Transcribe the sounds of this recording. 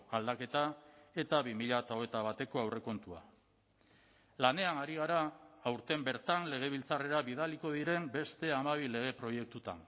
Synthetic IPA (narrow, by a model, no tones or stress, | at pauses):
ald̪ake̞t̪ae̞t̪aβimiʎat̪aoet̪aβat̪e̞ko̞awre̞ko̞nt̪ua̰ | lane̞anaɾiɣ̞aɾaːwɾt̪e̞mbe̞ɾt̪anle̞ɣ̞e̞β̞ilt͡sare̞ɾaβiðaliko̞ð̞iɾe̞mbe̞st̪e̞amaβ̞ile̞ɣ̞e̞pɾo̞je̞k̚t̪ut̪a̰n